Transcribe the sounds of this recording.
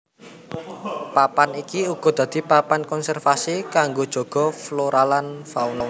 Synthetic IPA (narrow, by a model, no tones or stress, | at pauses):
papanikiuɡ̥ɔ̤d̪̥ä̤d̪̥i̤papankɔnsɛrfasikaŋɡod̥ʒ̥ɔ̤ɡ̥ɔ̤floɾalanfaunɔl